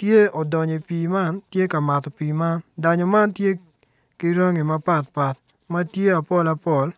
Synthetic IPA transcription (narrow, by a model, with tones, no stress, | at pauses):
tje˦ɔ˨dɔ˨ɲe˨piː˨ma˦ntje˦ka˨ma˨t̪ɔ˨piː˨ma˦nda˨ɲɔ˨ma˦ntje˦ | ki˦ɾa˦ŋi˨mɐ˦pa˦˨t̚pa˨t̚ | mɐ˦tje˦a˨pɔ˦la˨pɔ˦˨l